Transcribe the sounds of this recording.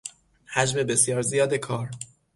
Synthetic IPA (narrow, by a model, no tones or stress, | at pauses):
hæd͡ʒme̞be̞sjɒːɾzijɒːd̪ekʰɒːɾ